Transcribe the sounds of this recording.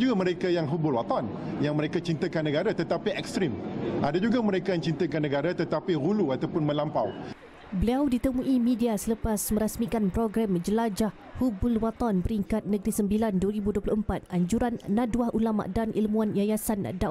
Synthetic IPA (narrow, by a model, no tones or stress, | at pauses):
d͡ʒuɡamə̃ɾekajaŋɦubʊlwat̪an | jaŋmə̃ɾekat͡ʃint̪əkanːə̃ɡaɾat̪ət̪apiʔɛkst̪ɾimʔadad͡ʒuɡamə̃ɾekaə̃ɲt͡ʃint̪əkanːə̃ɡaɾat̪ət̪apiɣuluat̪awpʊnmə̃nlampaw | bəliawdit̪əmũʔimĩdiasələpasmə̃ɾasmikanpɾoɡɾamd͡ʒəlad͡ʒah | hubʊlwat̪anbəɾiŋkat̪̚nə̃ɡɾisəmbilandwəɾibuduopluʊhəmpat̪̚ʔaɲd͡ʒuɾanːãduwahʔulama̰ʔdanʔilmũanjajasanda